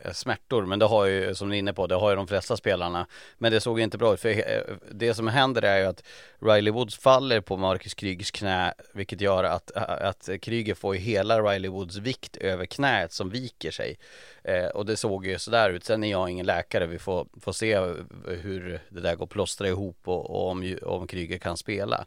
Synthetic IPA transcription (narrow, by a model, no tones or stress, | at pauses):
smæʈːʊɾmɛnd̪ɛɦajɵsɔmd̪ɵɪnːəpʰɔd̪ɛɦajɵd̪ɔmflɛst̪aspeːlaɳamɛnd̪ɛsoːɡjɵɪnt̪əbɾɑːʉ̟ːt̪fœd̪ɛsɔmɦɛnd̪əɾæɾjɵat̪ɾajlɪwʊd̪sfalːəɾpʰɔmɑɾkəskʰɾyːɡskʰnɛːvɪlkːət̪jœːɾa̰t̪a̰t̪kʰɾyːɡət̪foːɾjɵɦeːlaɾajlɪwʊd̪svɪkt̪ʰøːvəɾkʰnɛːət̪sɔmviːkəʂɛ̰j | ɔd̪ɛsoːɡjjɵsɔd̪æːɾʉ̟ːt̪sɛnæɾjɑɪŋːənlɛːkaɾəvɪfoːfoːseːhɵɾd̪ɛd̪æɾɡoːɾpʰlɔst̪ɾaɪɦuːpːɔɔmɔ̰mkʰɾyːɡəɾkʰanspeːla̰